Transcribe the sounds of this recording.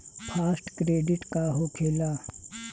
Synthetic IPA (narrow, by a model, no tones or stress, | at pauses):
pʰaːsʈkɾeːɖɪʈkaɦokʰeːla